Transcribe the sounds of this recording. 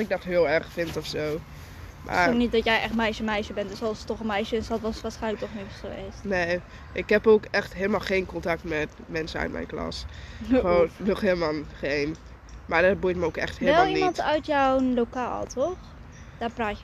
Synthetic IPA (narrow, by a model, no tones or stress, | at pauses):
sɪɡ̚dɔtɦɪːəlˠɛrχfɪntɔfsoː | mʔa̰oknit̚dɔtjɛjʔɛχtmɛjʃəmɛjʃəbɛntdəsɑlˠsətɔχəmɛjʃəɪsɑtʋɑstʋaːsχɛjnlək̚tɔχnisoɪstneː | ʔɪkɦɛpoːkɛχtɦeːlˠəmaːlˠχeːnkɔntɑk̚tmɛt | mɛnsənœ̰ɥtmɛ̰jnklɑ̰sχəoːnnɔχheːlˠəmalnˠχeːn | maɹdɔt̚bujtməoːkɛ̰χthelʋlɛmlˠinmɑntœɥtjɔwnlowka̰ːlˠtɔχ | d̥aːrpraːtə